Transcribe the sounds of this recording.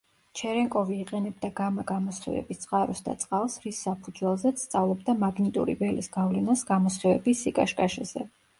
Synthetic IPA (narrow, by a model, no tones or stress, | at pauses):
t͡ʃʰɛɾɛŋkʼɔviːqʼɛnɛb̚d̪aɡamaɡamɔsɛ̰vɛ̰bist̪sʼqʼaɾɔ̰sd̪a̰t̪sʼqʼalˠsɾisːapʰud̪zwɛlˠzɛt̪sʰt̪sʼavlˠɔbd̪amaɡnit̪ʼṵɾḭvɛlḭsɡ̥avlɛnasɡamɔsɛvɛ̰bisikʼaʃkʼaʃɛ̰z̥ɛ̰